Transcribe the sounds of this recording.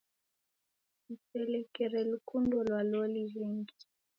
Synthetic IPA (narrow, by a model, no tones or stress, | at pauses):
ipɛlɛkɛɾɛlukundɔlwalɔlilɛŋɡi̥